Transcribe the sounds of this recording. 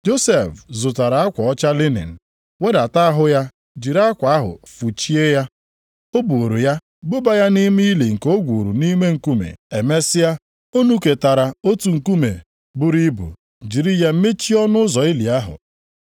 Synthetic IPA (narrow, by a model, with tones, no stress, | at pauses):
d͡ʒo˦se˨fzʊ˨ta˨ɾa˨a˦kʷa˨ɔ˦t͡ʃa˦lɪ˦nḛ˨n̩˨ | we˦da˨ta˦a˦ɦʊ˦ja˦ | d͡ʒi˨ɾa˦kʷa˨a˦ɦʊ̰˨fu˨t͡ʃi˦e˦ja˦ | o˦bu˨ɾu˨ja˦ | bʊ˦ba˦ja˦ni˦mi˦li˨ŋ̩˨ko˦ɡʷu˨ɾu˨ni˦me˦ŋ̩˨ku˦mḛ˨e˨me˦sɪ˦a˦ | o˦nu˦ke˨ta˨ɾa˨o˦tu˨ŋ̩˨ku˦mḛ˨ | bʊ˦ɾi˦bṵ˨ | d͡ʒi˨ɾi˦ja˦m̩˦me˦t͡ʃi˦ɔ˦nʊ˦zɔ˨ɪ˦li˨a˦ɦʊ̰˨